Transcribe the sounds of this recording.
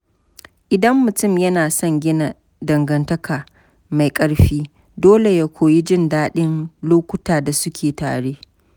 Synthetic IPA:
ʔɪ˨dɐ˦mːʊ˨tʊ˦˨mjɐ˦naː˨sɔ˦ŋɡʲɪ˦na˨ | dɐ˨ŋɡɐ˨ntɐ˦kʰaː˨ | ma˨jkʼɐ˦ɽɸiː˦ | doː˦le˨ja˦kʷoː˨ji˦d͡ʒɪ˦ndaː˦ɗɪ˦nloː˦kʷʊ˦taː˨da˨sʊ˦kʲʰeː˨ta̰ː˨ɽeː˦

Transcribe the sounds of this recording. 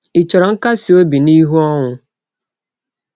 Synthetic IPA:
i˨t͡ʃɔ˨ɾɔ˨ŋ̩˦ka˦si˨o˦bi˨ni˦ɦu˦ɔ˦ŋʊ˦

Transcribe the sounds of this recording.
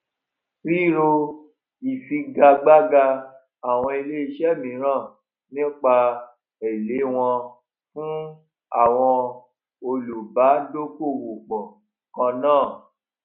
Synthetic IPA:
ɾi˦˨ɾo˧ | i˨fi˧ɡa˧ɡ͡ba˦ɡa˧ | a˨w̃ɔ̃˧e˧le˦i˧ʃɛ˦˨mĩ˨˦ɾ̃ã˦˨ | nĩ˦k͡pa˧ | e˨le˨˦w̃ɔ̃˧ | fũ˦ | a˦˨w̃ɔ̃˧ | o˧lu˨ba˨˦do˦ko˦˨wo˨k͡pɔ̃˨ | kã˧nãː˦˨

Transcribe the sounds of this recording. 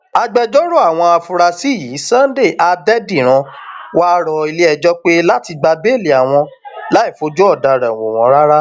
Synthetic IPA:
a˧ɡ͡bɛ˧d͡ʒɔ˦ɾo˦a˦˨w̃ɔ̃˧a˧fu˧ɾa˧si˦˨ji˨˦sã˦n˦de˦˨ʔa˧dɛ˦di˦˨ɾ̃ã˧ | wa˦ɾɔ˧i˧le˦ɛ˧d͡ʒɔ˦k͡pe˦la˦ti˧ɡ͡ba˧be˦˨le˨a˨w̃ɔ̃˧ | la˦i˦˨fo˧˦d͡ʒu˦ɔ˦˨da˨ɾɛ˨w̃o˨w̃ɔ̃˨˧˦ɾa˦ɾa˦

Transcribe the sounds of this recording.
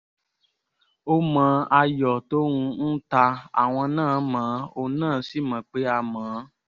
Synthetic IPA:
o˦mã˨˦ʔa˧jɔ˨to˦ɾũ˧n̩˦ta˧a̰˨w̃ɔ̃˧nãː˦˨˦mãː˨˦o˧nãː˦˨˦si˦˨mã˨k͡pe˦a˧mãː˨˦

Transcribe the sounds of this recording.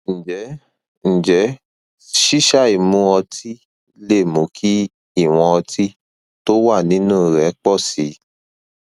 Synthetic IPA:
ñ̩˨d͡ʒɛ˨˦ | n̩˨d͡ʒɛ˨˦ | ʃi˦ʃa˦˨i˨mũ˨˦ɔ˧tʰi˦ | le˦˨mũ˨˦kʰi˦ | i˦˨w̃ɔ̃˧ɔ˧tʰi˦ | to˦wa˦˨nĩ˨˦nũ˦˨ɾɛ˨˦k͡pɔ˦˨si˨˦

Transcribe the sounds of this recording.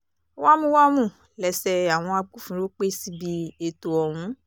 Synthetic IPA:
wa˦mũ˦wa˦mũ˦˨ | lɛ˨sɛ˧a˨w̃ɔ̃˧a˧ɡ͡bu˦fũ˨˦ɾo˦k͡pe˦si˦bi˧e˧to˧ɔ˨wũ˨˦

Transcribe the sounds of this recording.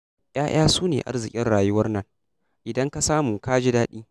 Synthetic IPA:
j̰ʔaː˦j̰aː˦suː˦nḛː˨ʔa̰˦rzɪ˨kʲʼɪ˦nɽaː˨jʊ˦wɐ˦rnɐ˦ŋ | ʔɪ˨dɐ˦ŋka˦saː˦mu˨kaː˦d͡ʒi˦daː˦ɗiː˦

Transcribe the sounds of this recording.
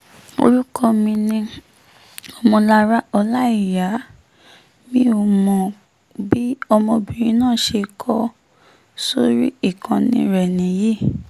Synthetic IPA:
o̰˧ɾu˦kɔ˧mĩ˧nĩ˧ | ɔ˧mɔ̃˧la˦ɾa˦ɔ˧la˦i˦˨ja˨˦ | mĩ˦o˧˨mɔ̃˨ | bi˦ɔ˧mɔ̃˧bĩ˨ɾ̃ĩ˨˦nãː˦˨ʃe˧kʰɔ˦ | so˦ɾi˦i˦˨kã˨nḭ̃˧ɾɛ˨nĩ˨ji˦˨

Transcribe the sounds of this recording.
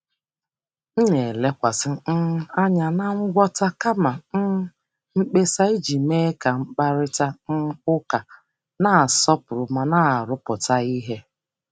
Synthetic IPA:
n̩˦ne˨le˦kʷa˨sɪ˦n̩˦a˦ɲa˨na˦ŋ͡m̩˦ɡʷɔ˦ta˦ka˦ma˨n̩˦ | ŋ͡m̩˦k͡pe˦sa˦i˦d͡ʒi˨me˦ka˨ŋ͡m̩˦k͡pa˦ɾɪ˦ta˦n̩˦ʊ˦ka˨ | na˨a˨sɔ˦pʊ˨ɾʊ˨ma˨na˦a˨ɾʊ˦pʊ˨ta˦i˦ɦe˦

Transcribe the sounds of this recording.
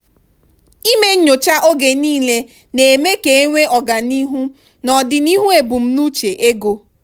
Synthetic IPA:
i˦me˦ɲo˨t͡ʃa˦ʔo˦ɡe˨niː˦le˦ | ne˨me˦ke˨e˦ŋʷe˦ʔɔ˨ɡa˨ni˦ɦu˦ | nɔ˨dɪ˨ni˦ɦu˦e˨bu˨m̩˦nu˦t͡ʃe˨ʔe˦ɡo˦

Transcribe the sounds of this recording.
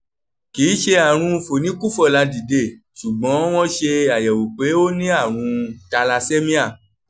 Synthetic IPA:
kiː˨˦ʃe˧a˨ɾ̃ũ˧fo˨nĩ˦ku˦fɔ˦˨la˨˧di˨de˨˦˨ | ʃu˨ɡ͡bɔ̃˨˦w̃ɔ̃˦ʃe˧a˨jɛ˨wu˨k͡pe˨˦o˦nĩ˦a˦˨ɾ̃ũ˧ta˧la˧se˦mĩ˦a˦˨

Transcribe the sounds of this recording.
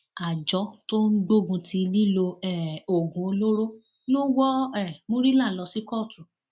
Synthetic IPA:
a˨d͡ʒɔ˨˦to˦n̩˦ɡ͡bo˦˨ɡũ˧tʰi˧li˦lo˧ɛ˦˨o˨ɡũ˨˦o˧lo˦ɾo˦ | lo˦wɔ˦ɛ˦˨mõ˦ɾi˦la˦˨lɔ˧si˦kɔ˦˨tu˨

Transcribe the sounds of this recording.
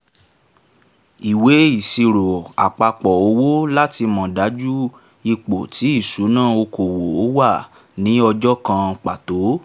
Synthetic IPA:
i˨we˨˦i˨si˧ɾo˨a˨k͡pa˧k͡pɔ˨o˧˦wo˦la˦ti˧mɔ̃˨da˨˦d͡ʒu˦ | i˧k͡po˨tʰi˨˦i˦˨su˨˦nãː˦˨o˧ko˨wo˨o˨˦wa˦˨ | nĩ˦ɔ˧d͡ʒɔ˦kã˧k͡pa˨to˨˦

